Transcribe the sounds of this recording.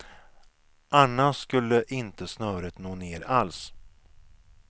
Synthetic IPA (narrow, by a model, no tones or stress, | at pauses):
ʔanːaskɵlːəʔɪnt̪əsnœːɾət̪noːneːɾals